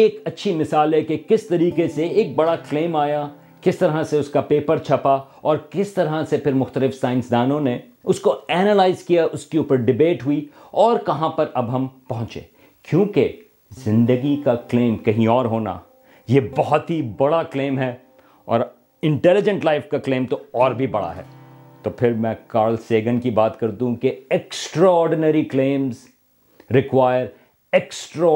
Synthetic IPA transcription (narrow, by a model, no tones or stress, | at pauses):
eːkɐtːʃʰimɪsaːlɦɛkekɪst̪ɐɾiːkeseeːk̚bɐɽakleːmaːja | kɪst̪ɐɾɦaseʊskapeːpəɾt͡ʃʰɐpa | ɔːɾkɪst̪ɐɾɦasepʰɪɾmʊxt̪əlɪfsaːɪ̃nsd̪aːnõne | ʊskoɛːnəlaːɪzkijaʔʊskeuːpəɾɖɪbeːʈɦui | ɔːɾkɐɦãpɐɾɐbɦɐ̃mpɐɦʊ̃t͡ʃḛ̃ː | kjõːke | zɪ̃nd̪əɡikakleːmkɐɦĩɔːɾɦoːna̰ | jeːbɔɦɔt̪ɦibɐɽaklẽːmɦɛ | ɔ̰ːɾ | ɪ̃ɳʈɛlɪd͡ʒə̃ɳʈlaɪfkaklẽːmt̪oɔːɾbʱibɐɽa̰ɦɛ̰ː | t̪oːpʰɪɾmɛ̃kaːɾlseːɡənkibaːt̪kɐɾt̪ũũkeɛksʈɾaɔːɾɖɪnəɾiklẽːmz | ɾɪkwaːjəɾ | ɛksʈɾa